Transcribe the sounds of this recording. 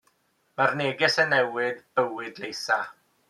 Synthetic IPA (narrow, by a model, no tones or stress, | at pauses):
marneːɡɪsənːɛwɪdəwɪdlejsa